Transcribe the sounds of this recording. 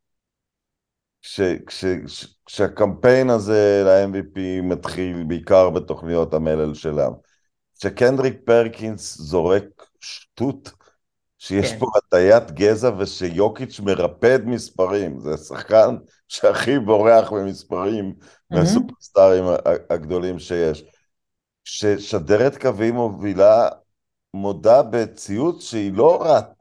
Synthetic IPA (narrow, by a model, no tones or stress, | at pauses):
ʃekʃeʃkʃeakampe̞jnazelaenvipimat̪χilbeikaʁbet̪o̞χnijo̞tamelelʃelaa̰m | ʃekendʁik̚peʁkinszo̞ʁek̚ | ʃtut | ʃejeʃpomat̪ajat̪ɡezaveʃejo̞kit͡ʃmeʁaped̪mispaʁimzesa̰χkan | ʃeaχibo̞ʁeaχmimispaʁim | veasupeʁst̪aʁima̰aɡd̪o̞limʃejeʃ | ʃeʃadeʁet̪kavimovila | modabet͡siutʃeilo̞ʁat